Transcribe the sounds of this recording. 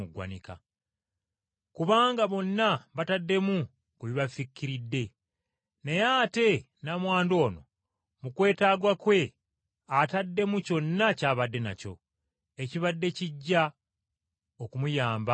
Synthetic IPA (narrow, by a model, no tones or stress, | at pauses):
uɡwa̰nika̰ | kuβaːŋɡaβo̞nːaβatadːe̞mu | kuβiβafikːiɾidːe̞ | nejaːte̞ | namwaːndo̞ːno̞ | mukwe̞ːtaːɡwakwe̞ | atadːe̞muco̞nːacaːβadːe̞na̰co̞̰ | e̞ciβadːe̞ciɟːa | okumujaːmba